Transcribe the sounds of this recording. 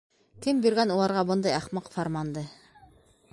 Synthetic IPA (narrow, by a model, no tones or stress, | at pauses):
kɘmbyɾɡænulˠɑɾʁɑbɤ̆nd̪ɑjɑχmɑqfɑɾmɑnd̪ɤ